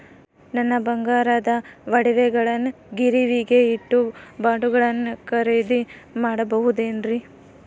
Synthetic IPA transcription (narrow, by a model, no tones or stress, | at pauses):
nɐnːɐbɐŋɡaːɾaːd̪ɐʋɐɽiʋɛɡɐɭɐnː | ɡiɾiʋiɡe̞iʈːubaːɖuɡɐɭɐnːukɐɾed̪imaːɽɐbɐɦud̪eːnɾi